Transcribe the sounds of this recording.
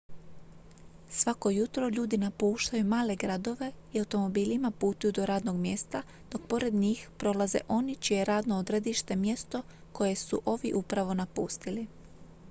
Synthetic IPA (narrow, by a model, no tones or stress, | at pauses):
sʋako̞jut̪ɾo̞ʎuːd̪inapuːʃt̪ajumaːle̞ɡɾad̪o̞ʋe̞iawt̪o̞mo̞biːlimapuːt̪ujud̪o̞ɾaːd̪no̞ɡmje̞st̪a | d̪̥o̞k̚po̞ɾe̞d̪ɲiːxpɾo̞lˠaze̞̰ʔo̞nit͡ʃije̞ɾaːd̪nood̪ɾe̞d̪iʃt̪e̞mje̞st̪o̞ | ko̞je̞suʔo̞ʋiʔupɾaʋo̞napuːst̪ili